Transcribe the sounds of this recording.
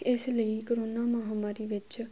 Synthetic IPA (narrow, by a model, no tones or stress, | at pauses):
esləikoɾonamãɦamaɾiʋət͡ʃ